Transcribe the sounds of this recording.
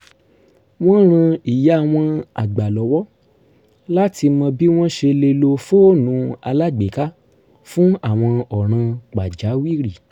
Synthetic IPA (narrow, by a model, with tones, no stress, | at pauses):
w̃ɔ̃˦ɾ̃ã˧i˨ja˨˦a˦˧˨w̃ɔ̃˧a̰˨ɡ͡ba˨lɔ˨wɔ˦ | la˦ti˧mɔ̃˧bi˦w̃ɔ̃˦ʃe˧le˧lo˧fo˦nũ˨˧˦a̰˧la˦ɡ͡be˨ka˦ | fũ˦a˦˨w̃ɔ̃˧ɔ˨ɾ̃ã˧k͡pa˨d͡ʒa˨˦wi˦ɾi˨